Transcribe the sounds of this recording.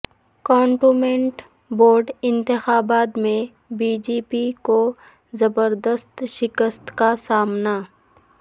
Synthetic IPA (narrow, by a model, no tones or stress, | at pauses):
kɔːɳʈumẽɳʈ | boːɾɖɪ̃nt̪ɪxaːbaːt̪mẽ | biːd͡ʒeːpiko | zɐbəɾd̪əst̪ʃɪkəst̪kasaːmna